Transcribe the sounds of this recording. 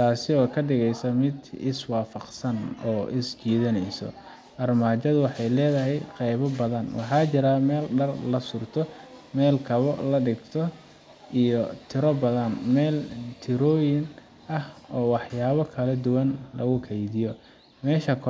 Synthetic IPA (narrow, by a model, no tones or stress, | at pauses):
t̪ʰaːsɪɔːkʰɐɖɪɣɛjsɐmɪd̪ɪswɑːfɑqsɐnɔːʔɪst͡ʃiːðɐnɛjsɔ̰ | ʔɐrmaːt͡ʃɐðʊwɑħɑjlɛːðɐɦɛjqɛjβɔbɐðɐnwɑ̰ħɑːt͡ʃɪɾamɛːlɖɐrlɐsʊrt̪ʰɔmɛːlkʰɐβɔlɐɖɪɡt̪ʰɔ | ʔijɔt̪ʰɪɾɔbɐðɐnmɛːlt̪ʰɪɾɔːjɪn | ʔɐhɔːwɑħjaːβɐkʰɐlɐd̪ʊwɐnlɐɣʊkʰɛjðɪjɔ | mɛːʃɐkʰ